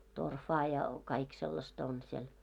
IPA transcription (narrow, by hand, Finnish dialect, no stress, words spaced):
torfɑː jɑ kɑik selːɑstɑ on siel